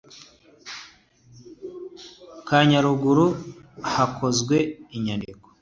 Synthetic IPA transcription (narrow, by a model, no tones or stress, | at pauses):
kaɲaɾuɡuɾuhakʰo̞zɡwe̞iɲanddiko̥